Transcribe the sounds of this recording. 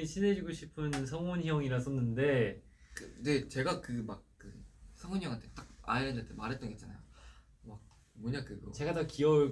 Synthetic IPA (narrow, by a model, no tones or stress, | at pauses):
ɕʰine̞d͡ʑiɡoɕʰipʰɯnsʰʌŋunçjʌŋiɾas͈ʰʌnːɯnde̞ | kɯne̞t͡ɕe̞ɡakɯmak̚k͈ɯsʰʌŋonjʌŋantʰet͈ak̚a̰eɾɯndatʰemaɾɦet͈ʌŋɡoet͡ɕ͈ana̰jo̰ | mak̚ | mʌɲakɯɡʌ̰t͡ɕe̞ɡatʌkiʌ